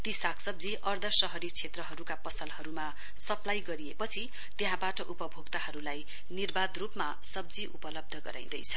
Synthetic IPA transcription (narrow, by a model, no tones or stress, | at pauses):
t̪isakʰsʌbd͡ziʔʌrd̪ʱʌsʌɦʌɾit͡sʰet̪rʌɦʌɾukapʌsʌlhʌɾuma | sʌplajɡʌɾiepʌt͡sʰi | t̪eɦãbaʈʌʔupʌbʱoɡt̪ahʌɾulaj | nirbad̪rupma | sʌb̚d͡ziʔupʌlʌb̚d̪ʱʌɡʌ̰ɾa̰j̃d̪ʌjt͡sʰʌ